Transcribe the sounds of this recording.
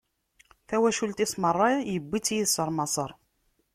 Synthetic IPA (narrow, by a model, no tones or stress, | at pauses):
θæwæʃult̪ismərˤːɑjəbːit͡sːjiðsəɾˤmɑsˤəɾˤ